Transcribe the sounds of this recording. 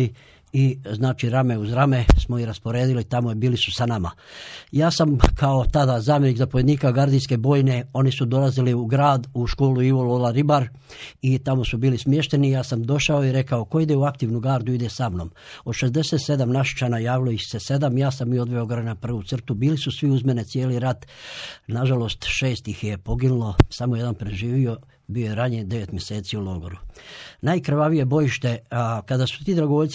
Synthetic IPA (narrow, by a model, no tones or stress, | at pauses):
i | iznaːt͡ʃiɾame̞uzɾame̞smo̞iɾaspo̞ɾeːd̪ilit̪amojebiːlisu̥sanama̰ | jaːsamkʰaot̪ad̪azaːmje̞niːkzapojeniːkaɡaɾd̪inske̞bo̞ːjne̞o̞nisud̪o̞laziliuɡɾaːd̪uʃko̞ːluiʋololaɾibaɾ | it̪amo̞subiːlismjeʃt̪e̞nijaːsamd̪o̞ʃao̞iɾe̞kaoko̞id̪euak̚t̪iʋnuɡaːɾd̪uid̪esamno̞̰ːm | od̪ʃe̞zd̪e̞se̞t̪se̞d̪amnaʃi̥t͡ʃaːnajaːʋilo̞jixse̞se̞d̪amjaːsamio̞d̪ʋeoɡoɾenapr̩ʋut̪sr̩t̪ubiːlisusʋiuzmenet̪sjeːliɾat̪naʒalo̞st̪ʃe̞ːst̪ixjepo̞ɡinulo̞samoje̞d̪anpɾeʒiːʋio̞ | biojeɾaɲied̪e̞ʋe̞t̪mʲjese̞ːt̪siulo̞ɡoɾunajkɾʋaʋije̞bo̞jiʃt̪e̞kad̪asu̥t̪iːd̪ɾaɡoʋo̞ʎʲt̪s